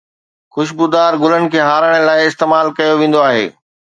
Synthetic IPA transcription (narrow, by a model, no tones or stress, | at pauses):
xʊʃ̬bud̪aːɾɡʊlənɪ̆kʰeːɦaːɾəɽ̃ə̆laːɪɪst̪eːmaːlkɐjoʋẽːn̆d̪oaːɦḛː